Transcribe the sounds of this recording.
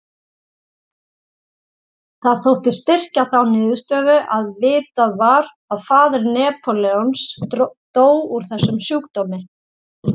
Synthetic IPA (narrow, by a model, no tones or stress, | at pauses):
θaðθowht̪ɪst̪ɪr̥caθawnɪːðʏst̪œːðʏʔaðvɪːt̪aðvaɾ | aðfaːðʏɾnɛːpʰɔlɛɔnst̪oːwuɾ̥θɛsːʏmsjuːkt̪oːmɪ